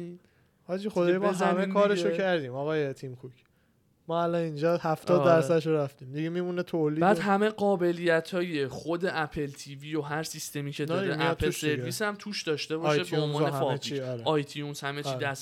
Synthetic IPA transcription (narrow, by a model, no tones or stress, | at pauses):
hɒːd͡ʒixod̪ːjɔzæmekʰɒːɾeʃokʰæɾd̪ĩːmɒːɣɒːjet̪ʰimkʰucʰ | mɒːælɒnind͡ʒɒhæft̪ɒːd̪ːæɾsæd̪eʃoɾæft̪ĩmd̪iɡemimunet̪ʰoliːbæːd̪ɦæme̞ɢɒːbe̞lijæt̪ʰɒːje̞χo̞d̪e̞ʔæpʰe̞lt̪ʰiːvijo̞ɦæɾsist̪e̞miːcʰed̪ɒemæpʰelse̞ɾisæmt̪ʰuːʃd̪ɒːʃt̪e̞bɒʃebbeonvɒːnefɒtʰiɾɒjt̪ʰijunshæmet͡ʃid̪æs